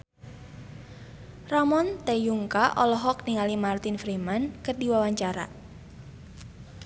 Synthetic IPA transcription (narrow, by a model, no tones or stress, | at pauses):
ramɔnt̪ejuŋkaʔɔlɔɦɔkniŋalimart̪infɾimankɨrdiwawaɲt͡ʃaɾa̰